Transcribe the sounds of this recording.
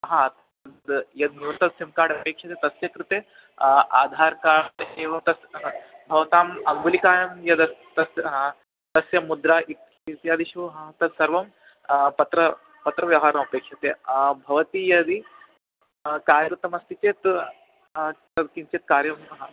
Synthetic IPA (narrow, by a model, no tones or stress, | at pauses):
ɦãt̪ | ɐnd̪jɐd̪nuɐt̪ɐt̪simkaːɽɐpeːkʂɐt̪eːt̪ɐsjɐkɾɨt̪eː | aːd̪ʱaːɾkaːeːʋɐmt̪ɐsbʱɐʋɐt̪aːmɐŋɡulikaːjɐmjɐd̪ɐst̪ɐsɦã | t̪ɐsjɐmud̪ɾaːʔik | it̪jaːd̪iʃuɦat̪ɐd̪sɐɾʋɐm | pɐt̪ɾɐ | pɐt̪ɾɐʋjɐwɦaːɾɐmɐpeːkʂɐt̪eːbʱɐʋɐt̪ijɐd̪i | kaːɾɐɾut̪ɐmɐst̪it͡ʃeːt̪ | t̪ɐd̪kint͡ʃeːt̪̚kaːɾjɐmɐɦa